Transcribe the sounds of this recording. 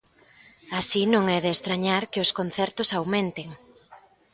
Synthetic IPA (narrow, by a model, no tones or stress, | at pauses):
asinõŋɛðeːst̪ɾaɲaɾkɪʊskon̟θɛɾt̪ʊsawmẽnt̪eŋ